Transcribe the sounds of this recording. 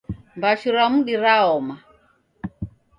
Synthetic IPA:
mbaʃuɾamuɗiɾaɔma

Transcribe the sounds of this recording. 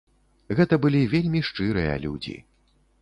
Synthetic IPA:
ɣɛt̪ɐbɨlʲivʲelʲmʲiʂt͡ʂɨɾɨjɐ̰lʲud͡zʲḭ

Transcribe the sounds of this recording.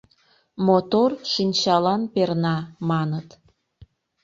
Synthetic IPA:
mot̪orʃinʲt͡ɕɑlɑnpernɑmɑnət̪

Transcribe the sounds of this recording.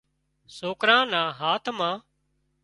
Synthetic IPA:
soːkɾãːnãːɦaːt̪ʰmãː

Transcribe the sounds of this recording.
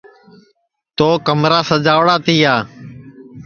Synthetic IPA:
t̪oːkəmɾaːsəd͡ʒaːʋɽaːt̪ʰiːaː

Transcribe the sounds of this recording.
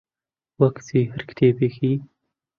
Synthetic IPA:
wɐkt͡siːhɨɾkt̪ʰeːbexʰiː

